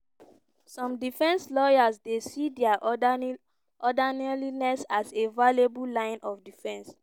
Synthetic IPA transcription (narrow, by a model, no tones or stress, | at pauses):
sɔ̃mdifɛ̃nslɔjasdesidɛa | ɔdanelinɛsasevalebullãɪ̃nɔfdifɛ̃ns